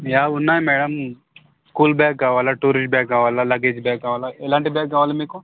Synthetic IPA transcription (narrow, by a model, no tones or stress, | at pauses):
jaːunːaːjmɛːɽɐm | skuːlbɛːk̚ɡaːʋaːlaʈuɾisʈ̚bɛːk̚ɡaːʋaːlalɐɡeːd͡ʒbɛːkɡaʋaːlaelãːɳʈibɛːk̚ɡaʋaːlemiko